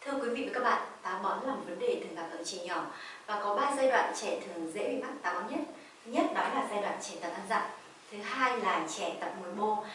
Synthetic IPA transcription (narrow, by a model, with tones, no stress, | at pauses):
t̪ʰɨ˧əkwi˨˦vḭ˧˨vːkːa˦˥k̚ɓa̰ː˧˨nt̪aː˨˦ɓɔ˨˦nlaː˨˩m˨˩t̚və˨˦nɗe˨˩t̪ɨ˨˩əŋlaː˨˩lə̰˧˨t͡ɕi˧˨ɲɔ˧˩vaː˨˩kɔ˨˦ɓaː˧zaː˧jɗwa̰ː˧˨nt͡ɕɛ˧˩t̪ʰɨ˨˩əŋzḛ˧˥ɓi˨˧˩ma˦˥k̚t̪aː˨˦ɓɔ˨˦ɲə˦˥t̚ | ɲə˦˥t̚nɔ˨˦jlaː˨˩zaː˧jɗwa̰ː˧˨nt͡ɕɛ˧˩t̪ə˨˩p̚ʔaː˧nza̰ː˧˨ŋ | t̪ʰɨ˨˦ɦaː˧jlaː˨˩t͡ɕɛ˧˩t̪ə˨˩p̚mu˨˦jmo˧